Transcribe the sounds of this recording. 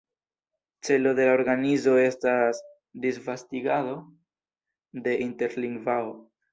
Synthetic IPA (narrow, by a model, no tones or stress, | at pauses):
t͡se̞lo̞de̞laoɾɡanizo̞e̞stas | disvastiɡado̞ | de̞ʔinte̞ɾliŋɡvao